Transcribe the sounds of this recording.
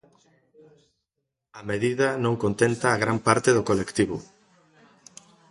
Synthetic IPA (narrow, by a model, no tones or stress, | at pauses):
ɐmeðiðɐnõŋkont̪ent̪aːɣɾampaɾt̪eðokolekt̪iβʊ̰